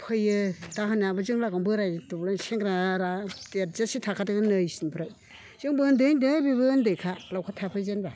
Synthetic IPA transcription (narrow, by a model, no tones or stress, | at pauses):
pʰɯjɯtaɦɯnabɯzɯŋlaɡɔmbɯɾajtublanseŋɡɾaɾatazasitʰakʰatɯɡɯnɯjsinpʰɾɯ | zɯŋbɯndɯndɯbibɯndɯjkʰalawkʰatʰapʰɯjzenba